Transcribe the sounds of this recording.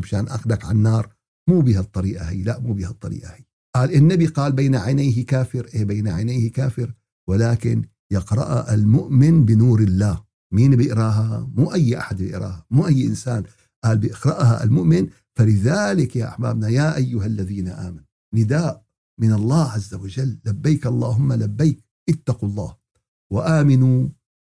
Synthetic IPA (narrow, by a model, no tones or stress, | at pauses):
baʃaːnʔaxdakʕanːɑːɾˤ | muːbiːhat̪ˤːɑɾiːʔahḭːlaʔmuːbiːhɑt̪ˤːɑɾḭːʔahi | ʔaːlʔɪnːabiqɑːlbaːnaʕajnajɦkaːfɪɾʔeːbaːnaʕajnajhkaːfɪɾ | wɪlaːkɪn | jɪqɾɑ̰ʔʔalmʊʔmɪnbɪnuːɾɪlːaːh | miːnbɪʔɾɑːɦamuːʔajːʔa̰ħad̪bɪʔɾˤa̰ːhamuːʔajːʔɪnsaːn | ʔaːlbɪʔɪqɾˤɑʔha̰ʔa̰lmʊʔmɪn | falɪðaːlɪkjaːʔa̰ħma̰ːbnajaːʔajːʊɦalːaðiːnaʔaːmanu | nɪd̪aːʔ | mɪnɑlˤːɑːʕazːawad͡ʒalːabːajkɑlˤːɑːɦʊmːalabːajːk̚ | ʔɪt̪ːɑqulˤːɑ̰ːh | waʔaːmɪnu